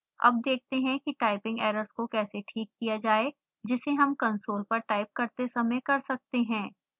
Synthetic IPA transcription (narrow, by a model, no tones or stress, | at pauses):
ɐ̰b̚d̪eːk̚ʰt̪eɦɛ̃kiʈaːɪpɪ̃ŋɡɛːɾəɾskokɛːseʈʰiːkːijad͡ʒaːe | d͡ʒɪseɦɐmkɐ̃nsoːlpɐɾʈaːɪp̚kɐɾt̪esɐməkɐɾsɐk̚t̪eɦɛ̃ː